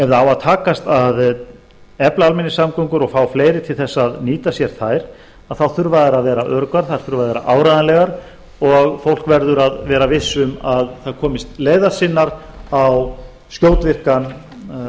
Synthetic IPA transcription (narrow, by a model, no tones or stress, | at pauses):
ɛvðaawaðt̪ʰaːkast̪að | ɛplaalmɛnːɪsamkowŋkʏɾɔɣfaːwfleːjɾɪt̪ʰɪlθɛsːaðniːt̪asjɛɾ̥θajɾ̥ | aðθawθʏɾvaðaɾaðvɛːɾaʔœɾʏkvaɾ̥θaɾ̥θʏɾvaðvɛːɾaʔaːwɾajðanlɛɣaɾ | ɔɣfowl̥kvɛɾðʏɾaðvɛːɾavɪsːʏmaðθaðkʰɔːmɪst̪leːjðḁsɪnːaɾaw | scjoːwt̪vɪr̥kan